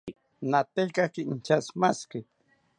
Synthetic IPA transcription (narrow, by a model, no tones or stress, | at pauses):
nat̪ekakint͡ʃasmaskɪ